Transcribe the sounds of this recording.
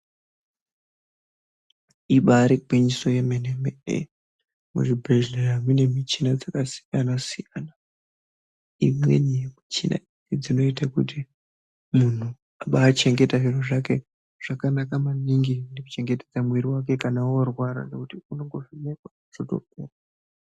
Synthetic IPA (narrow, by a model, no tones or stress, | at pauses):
iɓaɾeɡwiɲiso̞jemenemeḛ | mṵʐibreʒleamine̞mit͡ʃinad͡zakasi̥janasijana | imwe̞̰nimit͡ʃina̰i | id͡zino̞itakṵti | mun̤u | aɓaːt͡ʃe̞ŋɡe̞taʐin̤uʐake̞ | ʐ̥akanakamaniŋɡineku̥t͡ʃe̞ŋɡete̞d͡zamweɾiwak̬e̞kanaworwaɾa̰nekutiunoŋɡoʐimekwa | ʐ̥oto̰kuːra